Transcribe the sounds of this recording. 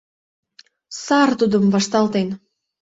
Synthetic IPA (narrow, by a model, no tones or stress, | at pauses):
sɑrt̪ud̪əmvɑʃt̪ɑlt̪en